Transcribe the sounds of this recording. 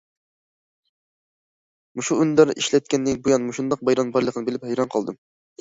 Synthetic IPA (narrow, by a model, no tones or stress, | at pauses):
muʃuynd̪æɾḭʃlɛt̪̚kʲɛnːɪŋbujɑnmuʃund̪ɑq̚bɑjɾɑnbɑjlˠəqʰənɨbelɪphɛjɾɑnqʰɑlˠd̪ɨm